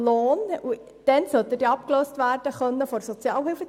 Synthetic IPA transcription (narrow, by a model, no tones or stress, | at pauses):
loːnu | d̪̥ɛnsœt̪ədiːɑpkløːstʋæːrd̥əχœnːəfɔɾsɔt͡sjɑːlhɪlfə